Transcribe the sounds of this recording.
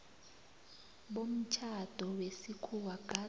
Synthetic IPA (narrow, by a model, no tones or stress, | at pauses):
ɓom̩t͡ʃʰad̥ʱɔwesikʰuwaɡ̥a